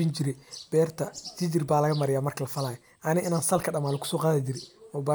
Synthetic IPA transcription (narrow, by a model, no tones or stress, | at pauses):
ɪnd͡ʒɪɾɛb̥ɛːrt̪ʰɐd͡ʒɪd͡ʒɪrbaːlɐɣɐmɐɾɪjaːmɐrkʰɐlɐfɐlaːjɛ | ʔɐnɪʔɪnaːnsɐlkʰɐɗɐmaːlɪkʰʊ̥sɔːqaːðɪd͡ʒɪɾɛɔːbaː